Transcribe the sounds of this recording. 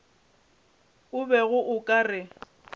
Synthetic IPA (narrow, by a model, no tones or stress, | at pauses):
ʊbɛɣʊʔʊkʼarɪ